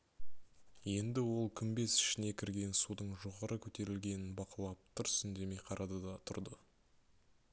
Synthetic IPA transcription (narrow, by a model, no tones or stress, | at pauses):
je̞nd̪ɪwo̞lˠkʲʰʏmbe̞sɪ̥ʃɪne̞kʲʰɪɾɡʲe̞nsud̪əɴʒo̞ʁɑɾəkʲʰɵt̪e̞ɾɪlɡʲe̞nɪnbɑqəlˠɑp̚t̪ʰʊɾsʏnd̪e̞me̞jqʰɑɾʔɑd̪ɑd̪ɑt̪ʰʊɾd̪ə